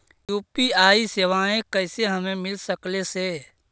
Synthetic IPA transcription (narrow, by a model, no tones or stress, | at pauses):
juːpiaːiseʋaːẽkəɪseɦəmẽmɪlsəkleseː